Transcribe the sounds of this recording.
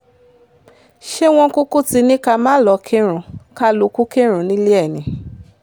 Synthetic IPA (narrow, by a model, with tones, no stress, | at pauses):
ʃe˦w̃ɔ̃˧ko˦ko˦ti˧nĩ˦ka˧mãː˦lɔ˨˧˦kʰẽ˦ɾ̃ũ˧ka˦lo˨˧˦ku˦ke˦˨ɾ̃ũ˨˦nĩ˦le˦ɛ˦˨nĩ˨˦